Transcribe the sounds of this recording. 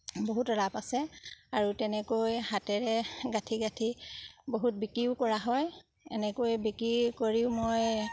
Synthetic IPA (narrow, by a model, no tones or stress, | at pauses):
boɦutɹapasɛaɹutɛnɛkojhatɛɹɛɡatʰiɡatʰiboɦut̚bikɹiʊkɔɹaɦɔj | ɛ̰nɛkojbikɹikoɹiʊmoj